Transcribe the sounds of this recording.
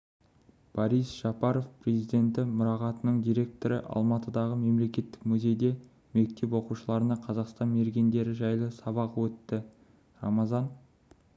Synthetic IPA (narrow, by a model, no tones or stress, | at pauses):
b̥ɑɾijsʒ̥ɑpɑɾo̞fpre̞zijd̪e̞nt̪ɪmʊɾɑʁɑt̪ənəɴd̪ijɾe̞k̚t̪o̞ɾə̰ʔɑ̰lˠmɑt̪əd̪ɑʁəme̞mle̞kʲe̞t̪ːɪ̥kmʏze̞jd̪e̞ | me̞k̚t̪e̞p̬wo̞quʃəlˠɑɾənɑqʰɑzɑqst̪ɑnme̞ɾɡʲe̞nd̪e̞ɾɪʒɑjlˠəsɑβɑqwɵt̪ːɪ | rɑ̰mɑzɑn